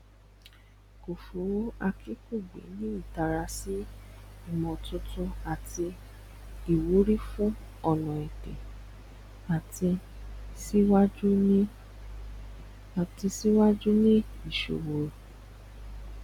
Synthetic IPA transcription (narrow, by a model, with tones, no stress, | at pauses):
ko˨fu˨˦ɾa˧kʰi˦ku˦˨ɡ͡bḛ˨˦nĩ˦i˦˨ta˨ɾa˧si˦i˦˨mɔ̃˨tũ˧tũ˦a˨ti˧ | i˨wu˨˦ɾi˦fũ˦ | ɔ˧nɔ̃˨ɛ˨te˨ | a˨ti˧ | si˦wa˦d͡ʒu˦nĩ˦ | a˨ti˧si˦wa˦d͡ʒu˦nĩ˦ | i˨ʃo̰˨wo˨ɾo˨